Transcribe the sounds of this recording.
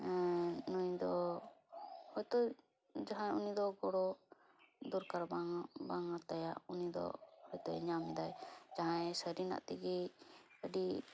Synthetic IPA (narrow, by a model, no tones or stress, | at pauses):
nuɲd̪ɔ | hɔjt̪ɔ | d͡ʒaɦãunid̪ɔɡɔɽɔ | d̪uɾkaɾbaŋbaŋat̪aja̰ʔunid̪ɔ̰hɔjt̪ɔ̰ɲamɛd̪ajd͡ʒaɦãɛsəɾina̰ʔt̪iɡɛəɖi